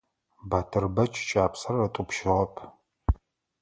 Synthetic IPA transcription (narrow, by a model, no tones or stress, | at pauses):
baːtʰɨrbɐt͡ʃʼt͡ʃʼaːpʰsɐrɐtʼʊpʃɪʁɐpʰ